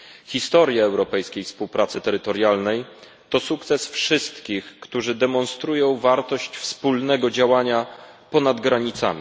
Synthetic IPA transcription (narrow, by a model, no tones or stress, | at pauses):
xʲist̪ɔɾʲjaːwɾɔpɛjskʲejfspuwpɾat̪sɘt̪ɛɾɘt̪ɔɾjalnɛj | t̪ɔsukt̪sɛsfʂɘst̪kʲixkt̪uʐɘd̪ɛmɔnst̪ɾujɔ̃w̃vaɾt̪ɔɕt͡ɕfspulnɛɡɔd͡ʑawaɲapɔnad̪ɡɾaɲit̪sa̰mʲi